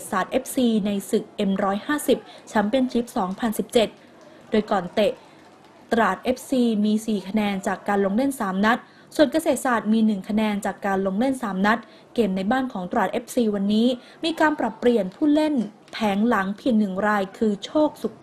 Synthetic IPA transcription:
t̪̚saː˨˩t̪̚ʔe˦˥p̚siː˧na˧jsɯ˨˩k̚ʔe˧mɾɔː˦˥jhaː˥˩si˨˩p̚t͡ɕʰa˦˥mpe˧nt͡ɕʰi˦˥p̚sɔː˩˦ŋpʰa˧nsi˨˩p̚t͡ɕe˨˩t̪̚ | doː˧jkɔː˨˩nt̪e˨˩ | t̪ɾaː˨˩t̪̚ʔe˦˥p̚siː˧miː˧siː˨˩kʰa˧nɛː˧nt͡ɕaː˨˩kːaː˧nlo˧ŋle˥˩nsaː˩˦mna˦˥t̪̚ | su˨˩ənka˧seː˨˩t̪̚saː˨˩t̪̚miː˧nɯ˨˩ŋkʰa˧nɛː˧nt͡ɕaː˨˩kːaː˧nlo˧ŋle˥˩nsaː˩˦mna˦˥t̪̚ | ke˨˩mna˧jbaː˥˩nkʰɔː˩˦ŋt̪ɾaː˨˩t̪̚ʔe˦˥p̚siː˧wa˧nːiː˦˥ | miː˧kaː˧npɾa˨˩pːɾi˨˩ənpʰuː˥˩le˥˩n | pʰɛː˩˦ŋla˩˦ŋpʰi˨˩əŋnɯ˨˩ŋɾaː˧jkʰɯː˧t͡ɕʰoː˥˩k̚su˨˩k̚

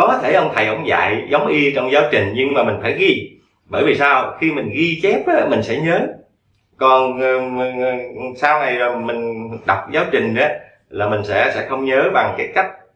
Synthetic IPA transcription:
ɔ˨˦kɔ˨˦t̪ʰe˧˩ʔə˧wŋ͡mt̪ʰə˨˩jʔə̰˧˩wŋ͡mza̰ː˧˨jzə˨˦wŋ͡mʔi˧t͡ɕɔ˧wŋ͡mzaː˨˦wt͡ɕï˨˩ŋ̟ɲɨ˧ŋmaː˨˩mï˨˩ŋ̟faː˧˩jɣi˧ | ɓəː˧˩jvi˨˩saː˧wxi˧mï˨˩ŋ̟ɣi˧t͡ɕɛ˦˥p̚ɗɔ˨˦mï˨˩ŋ̟sɛ̰˧˥ɲəː˨˦ | kɔ˨˩n | saː˧wna˨˩jo˨˩jmï˨˩ŋ̟ɗa˨˩wk͡p̚zaː˨˦wt͡ɕï˨˩ŋ̟ɗə˨˦ | laː˨˩mï˨˩ŋ̟sɛ̰˧˥sɛ̰˧˥xə˧wŋ͡mɲəː˨˦ɓa˨˩ŋkaː˨˦jka˦˥jk̟̚

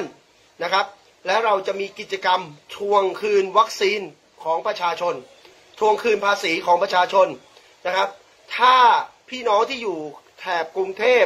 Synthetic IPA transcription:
n | na˦˥kʰa˦˥p̚ | lɛː˦˥wɾa˧wt͡ɕa˨˩ʔmiː˧ki˨˩t̪̚t͡ɕa˧ka˧mt̪ʰu˧əŋkʰɯː˧nwa˦˥k̚siː˧n | kʰɔː˩˦ŋpɾa˧t͡ɕʰaː˧t͡ɕʰo˧n | t̪ʰu˧əŋkʰɯː˧npʰaː˧siː˩˦kʰɔː˩˦ŋpɾa˧t͡ɕʰaː˧t͡ɕʰo˧n | na˦˥kʰa˦˥p̚ | t̪ʰaː˥˩pʰiː˥˩nɔː˦˥ŋt̪ʰiː˥˩juː˨˩t̪ʰɛː˨˩p̚ku˧ŋt̪ʰeː˥˩

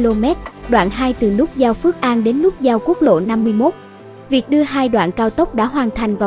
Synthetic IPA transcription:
lo˧mɛ˦˥t̚ɗwa̰ː˧˨nɦaː˧jt̪ɨ˨˩lʊ˦˥k͡p̚zaː˧wfɨ˦˥ək̚ʔaː˧nɗe˨˦nlʊ˦˥k͡p̚zaː˧wku˦˥ək̚lo̰˧˨na˧mːɨ˧əjmo˦˥t̚ | vi˨˩ək̚ɗɨ˧əɦaː˧jɗwa̰ː˧˨nkaː˧wt̪ə˦˥wk͡p̚ɗa̰ː˧˥ɦwaː˨˩nt̪ʰa˨˩jŋ̟vaː˨˩

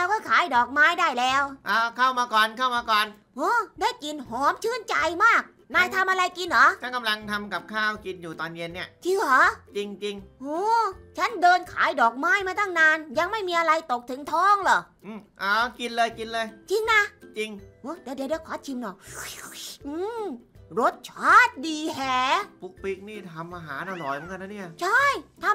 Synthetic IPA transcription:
aː˧wkɔː˥˩kʰaː˨˩˦jdɔː˨˩k̚maː˦˥jdaː˥˩jlɛː˧˥wʔaː˧˩kʰa˥˩wmaː˧kɔː˨˩nkʰa˥˩wmaː˧kɔː˨˩n | ʔɔː˧˥daː˦˥˩jki˧nhɔː˨˦mt͡ɕʰɯː˧˥˩nt͡ɕa˨˧˩jmaː˥˩k̚ | naː˧˥˩jt̪ʰa˧mʔa˧ɾa˧jki˧nːɔ˨˦˥t͡ɕʰa˥˩nka˧mla˧ŋt̪ʰa˧mka˨˩p̚kʰaː˥˩wki˧njuː˨˩t̪ɔː˧nji˧nːi˥˩ɐt͡ɕʰɯː˧˩˨hɔː˨˦t͡ɕi˧ŋt͡ɕi˧ŋʔɔː˧˥t͡ɕʰa˦˥ndɤː˧nkʰa̰ː˨˩˦jdɔː˨˩k̚maː˦˥jmaː˧t̪ʰa˥˩ŋnaː˧nja˧ŋma˥˩jmiː˧ʔa˧ɾa˧jt̪o˨˩k̚t̪ʰɯ˩˦ŋt̪ʰɔː˦˥˩ŋlɔ˨˩ʔɯː˧˩ʔaː˨˧˩ki˧nlɤː˧jki˧nlɤː˧jt͡ɕi˧nːa˧˩t͡ɕi˧ŋʔo˧˥˩t̪ɛː˨˦˩di˨˦˨da˧˦wkʰɔː˨˦˥t̪̚t͡ɕʰi˧mnɔ˨˩ | ʔɯː˧ɾo˦˥t̪̚t͡ɕʰaː˦˥˩t̪̚diː˧ɦɛː˨˩pu˦˥k̚pi˦˥k̚niː˥˩t̪ʰa˧mʔaː˧ɦaː˩˦nta˧lɔː˨˩jmə˨˦ŋka˧nːa˧˥ni˥˩ɐʔt͡ɕʰa˥˩jt̪ʰa˧m

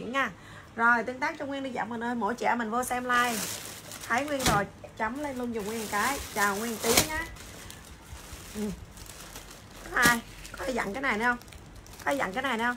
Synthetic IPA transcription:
əŋɲaː˧˩ | zo˨˩jt̪i˧əŋt̪aː˦˥k̚t͡ɕʊ˧ŋwi˧nɗi˧za̰ː˧˩mə˨˩nʔəː˧jmo̰˧˩jt͡ɕɛ̰˧˩mï˨˩ŋ̟vo˧sɛ˧mlaː˧jt̪ʰa˨˦jŋwi˧ənzo˨˩jt͡ɕa˨˦mle˧nlu˧ənzʊ˨˩ŋ͡mŋwi˧əŋkaː˨˦jt͡ɕaː˨˩wŋwi˧ənt̪i˨˦əŋɲaː˨˧˦ | ʔɨ˨˩ | kɔ˨˦ʔaː˧j | kɔ˨˦t̪ʰe˧˩za̰˧˨ŋkaː˨˦jna˨˩jnɛ˧wŋ͡m | kɔ˨˦˧za̰˧˨ŋkaː˨˦jna˨˩jnɛ˧wŋ͡m

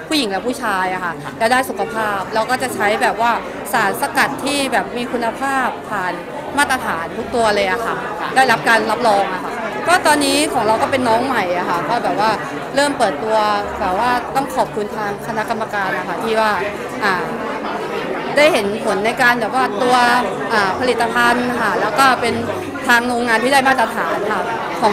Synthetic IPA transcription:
pʰuː˥˩ji˩˦ŋlɛ˦˥pʰu˥˩t͡ɕʰaː˧jʔa˨˩kʰa˥˩ʔ | lɛ˦˥wdaː˥˩jsu˨˩kʰa˧pʰaː˥˩p̚lɛː˧˦˥wkɔː˥˩t͡ɕa˨˩t͡ɕʰa˦˥jbɛː˨˩p̚waː˥˩ | saː˩˦nsa˧ka˨˩t̪ʰːiː˥˩bɛː˨˩p̚miː˧kʰu˧nːa˧pʰaː˥˩pʰːaː˨˩n | maː˥˩t̪ːɾa˧t̪ʰaː˩˦nt̪ʰu˦˥k̚t̪u˧ɐlɤː˧jʔa˨˩xʰa˦˥˩ | da˥˩jɾa˦˥p̚kaː˧nla˦˥p̚ɾɔː˧ŋʔa˨˩kʰa˦˥ʔkɔː˥˩t̪ɔː˧nːiː˦˥kʰɔː˩˦ŋɾa˧wkɔː˥˩pe˧nːɔː˦˥ŋma˨˩jʔa˨˩kʰa˦˥˩pʰɔː˥˩bɛː˨˩p̚waː˥˩ | ɾɤː˥˩mpɤː˨˩t̪ːu˧ɐbɛː˨˩waː˥˩t̪ɔ˥˩ŋkʰɔː˨˩p̚kʰu˧nt̪ʰaː˧ŋkʰa˧na˦˥ka˧mːa˧kaː˧nʔa˨˩kʰa˦˥˩t̪ʰiː˥˩waː˥˩ | ʔaː˨˩ | daː˥˩jhe˩˦npʰo˨˩˦nːa˧jkaː˧nbɛː˨˩p̚waː˥˩t̪u˧ɐ | ʔaː˨˩pʰa˧li˨˩t̪ːa˧pʰa˧n˧kʰa˥˩lɛː˦˥wkɔː˥˩pe˧n | t̪ʰaː˧ŋloː˧ŋːaː˧nt̪ʰiː˥da˥˩jmaː˥˩t̪̚ːɾa˧t̪ʰaː˩˦nkʰa˦˥ | kʰɔː˩˦

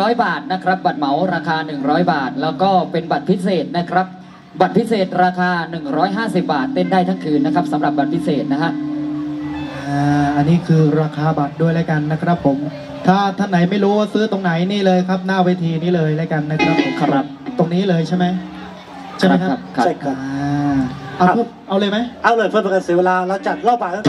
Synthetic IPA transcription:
ɾɔː˦˥jbaː˨˩t̪̚na˦˥kʰɾa˦˥p̚ba˨˩t̪̚ma˩˦wɾaː˧kʰaː˧nɯ˨˩ŋɾɔː˦˥jbaː˨˩t̪̚lɛː˦˥wkɔː˥˩pe˧nba˨˩t̪̚pʰi˦˥seː˨˩t̪̚na˦˥kʰɾa˦˥p̚ | ba˨˩t̪̚pʰi˦˥seː˨˩t̪̚ɾaː˧kʰaː˧nɯ˨˩ŋɾɔː˦˥jɦaː˥˩si˨˩p̚baː˨˩t̪ːe˥˩ndaː˥˩jt̪ʰa˥˩ŋkʰɯː˧nːa˦˥kʰɾa˦˥p̚sa˩˦mɾa˨˩p̚ba˨˩t̪̚pʰi˦˥seː˨˩t̪̚na˦˥kʰa˦˥ʔ | ʔʔaː˧˩ʔa˧nːiː˦˥˩kʰɯː˧ɾaː˧kʰaː˧ba˨˩t̪̚du˥˩əjlaː˦˥˩ka˧nːa˦˥kʰɾa˦˥pʰːo˩˦m | t̪ʰaː˥˩t̪ʰa˥˩nːa˩˦jma˥˩jɾuː˦˥waː˥˩sɯː˦˥t̪o˧ŋna˩˦jniː˥˩lɤː˧jkʰɾa˦˥p̚naː˥˩weː˧˥t̪ʰiː˧niː˦˥lɤː˧jlaː˦˥˩ka˧nːa˦˥kʰɾa˦˥pʰːo˨˩˦mkʰa˧a˨˩t̪o˧ŋniː˦˥lɤː˧jt͡ɕʰa˥˩jma˦˥j | t͡ɕʰa˥jma˦˥kʰa˦˧˥kʰaː˧ | ʔa˧wpʰuː˥˩ʔa˧wlɤː˧jma˦˥jʔa˧wlɤ˧˩pʰɯ˥˩pa˧ka˧nsiː˨˦we˧laː˧lɛː˦˥wt͡ɕa˨˩t̪̚lɔː˥˩p̚baː˨˩a˥

